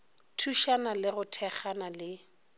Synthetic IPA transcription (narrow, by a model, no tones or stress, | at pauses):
tʰuʃanalɪɣʊtʰɛχanalɪ